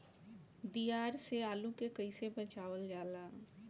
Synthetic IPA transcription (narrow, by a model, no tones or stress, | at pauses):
d̪ijaːɾseaːlũkekəɪsebət͡ʃaːʋəld͡ʒaːlaː